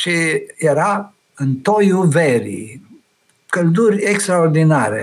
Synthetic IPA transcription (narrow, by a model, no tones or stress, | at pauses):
ʃijeɾa | ɨnt̪ojuveɾḭ | kəld̪urʲekst̪ɾaord̪inaɾḛ